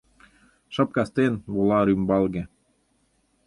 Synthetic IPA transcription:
ʃə̆p̚kɑst̪enβulɑɾymbɑlˠɣĕ

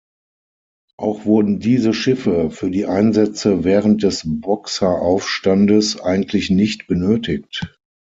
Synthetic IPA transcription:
ʔaʊxv̥ʊɐdn̩diːzəʃɪfəfyːɐdiːʔaɪnzɛt͡səvɛːʁənt̚d̥ɛsbɔksɐʔaʊfʃtandəsʔaɪɡŋ̩tʰlɪçnɪçtb̥ənøːtɪk̚t

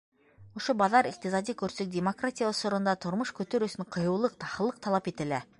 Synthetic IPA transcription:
woʃəbɑðɑɾiq̚t̪izɑd̪ikʲʰɵɾsek̚d̪ʲemo̞krat̪ʲijaʊsʊɾənd̪ɑt̪ʰʊɾməʃkʲʰɵt̪e̞ɾusɪɴqʰəjulˠəq̚t̪ʰɑχəlˠəqt̪ʰɑlˠɑpe̞t̪ɪlɪ

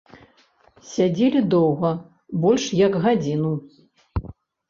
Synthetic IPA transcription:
sʲad͡zʲelʲid̪ɔwɣɐ | bɔlʲʂjɐɡɣad͡zʲinu

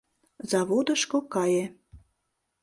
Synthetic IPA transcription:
zɑβod̪əʃkokɑje

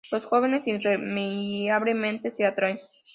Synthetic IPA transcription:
losxoβenesinremiaβlemẽnt̪eseat̪ɾajn

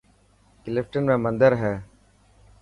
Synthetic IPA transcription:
kɪlɪpʈənmẽːmə̃nd̪əɾɦɛː

